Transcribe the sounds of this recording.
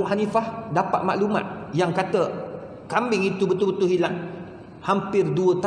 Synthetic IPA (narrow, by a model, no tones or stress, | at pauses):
ɦanifahdapa̰t̪̚ma̰ʔluma̰t̪̚jaŋkat̪ə | kambɪŋit̪ubət̪ubət̪uɦilaŋ | hampɪrduət̪